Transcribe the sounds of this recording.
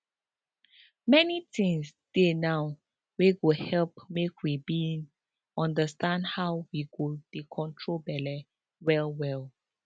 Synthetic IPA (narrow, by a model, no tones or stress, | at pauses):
mɛnitʰĩŋsd̥enaw | weɡohɛlpmekwibin | ɔ̃ndəstãndhawwiɡod̥ekʰɔ̃ntʰɹobɛlɛ | wɛlwɛl